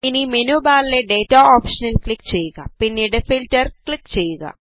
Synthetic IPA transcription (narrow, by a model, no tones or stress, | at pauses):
inimenubaːlileɖe̞ːtaoːpʂɐnɐlklikːt͡ɕe̞jːuɣɐ̰pinːiɽefiltɐrklikːt͡ɕe̞jːuɣɐ̰